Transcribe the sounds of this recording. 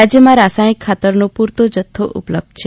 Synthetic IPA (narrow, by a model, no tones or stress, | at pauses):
ad͡ʒjəmãɾasanikʰːat̪əɾnopuɾt̪od͡ʒət̪ʰːoʔʊpləb̚d̪̚t͡ʃʰe